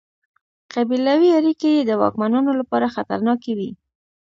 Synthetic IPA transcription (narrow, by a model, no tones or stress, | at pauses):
qabilawiaɾikejed̪əwɑ̰kmanunolapɑɾaxat̪a̰ɾnɑkewi